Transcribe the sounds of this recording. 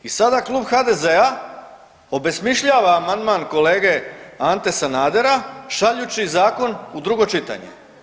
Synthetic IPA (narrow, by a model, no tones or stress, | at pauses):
isad̪aklˠuːbxad̪e̞zea | o̞be̞smiʃʎaːʋaːmand̪maːnko̞le̞ːɡe̞ant̪e̞sanaːd̪e̞ɾaʃaʎut͡ɕizaːko̞nud̪ɾuɡo̞t͡ʃit̪a̰ɲe̞̰